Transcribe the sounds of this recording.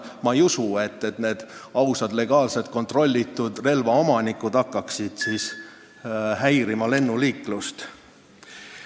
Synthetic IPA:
mɑejusue̞t̪ːe̞t̪ne̞ːd̪̥ɑwsɑd̪le̞ɡ̥ɑːlse̞t̪̚ko̞nt̪ˑro̞lʲːit̪ːˑud̪̥re̞lvɑo̞mɑnikud̪̥ɑkːɑksid̪̥siːs | hæjɾimɑle̞nːuliːkːˑlust̪

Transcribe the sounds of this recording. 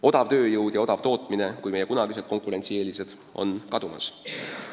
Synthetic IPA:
o̞d̪̥ɑvt̪ø̞ːjɤwd̪̥jɑo̞d̪ɑvt̪o̞ːt̪ˑmine̞kujmejekunɑɡise̞d̪̚ko̞ŋkˑuɾe̞nʲt̪sieːlise̞d̪̥ | ʔo̞̰nkɑd̪̥umɑ̰s

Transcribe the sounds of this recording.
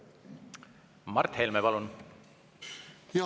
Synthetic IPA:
mɑrt̪helmepɑlun | j

